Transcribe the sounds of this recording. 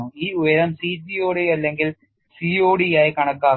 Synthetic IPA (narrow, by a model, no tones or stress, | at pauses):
uiːujɐɾɐmsiːd͡ʑioːɽiɐlːeŋɡil | sioːɽijaːjikɐɳɐkːaː